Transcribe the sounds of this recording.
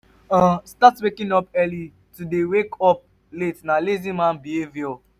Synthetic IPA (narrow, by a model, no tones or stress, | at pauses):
ãstatwekĩnɔpɛli | tudewekɔp̚ | letnalezĩmãnbihevjɔ